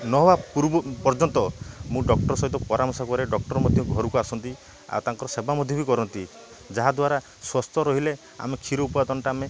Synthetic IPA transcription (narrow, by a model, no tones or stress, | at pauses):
nɔɦbapuɾbɔpɔɾd͡ʒɔnt̪ɔmũɖɔk̚ʈɔɾɔsɔɦit̪ɔpɔɾamɔsakɔɾeɖɔk̚ʈɔɾɔmɔd̪ʱjɔɡʱɔɾukuasɔnt̪i | a̰t̪aŋkɔɾɔsebamɔd̪ʱjɔbikɔɾɔnt̪i | d͡ʒaɦad̪waɾa | swɔst̪ʰɔɾɔɦile | a̰mekʰiɾoupad̪ɔnɔʈaːme